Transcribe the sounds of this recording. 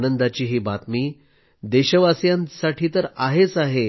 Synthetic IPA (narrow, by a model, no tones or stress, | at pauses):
nənd̪at͡ɕiːɦiːbat̪miː | d̪eɕəʋasjãnsaʈʰiːt̪əɾaɦet͡saɦe